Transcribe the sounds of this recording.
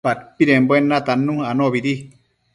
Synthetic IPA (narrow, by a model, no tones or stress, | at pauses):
at̪̚piɾemboenːat̪anːũanoβiɾi